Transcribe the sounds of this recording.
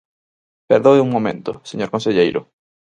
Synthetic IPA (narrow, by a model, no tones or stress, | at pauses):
peɾðowuŋmõmḛ̃nt̪ʊseɲoɾkõnseʎejɾʊ̰